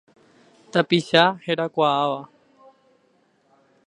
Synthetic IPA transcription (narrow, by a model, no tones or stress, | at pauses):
t̪apiʃaheɾakʷaaʋa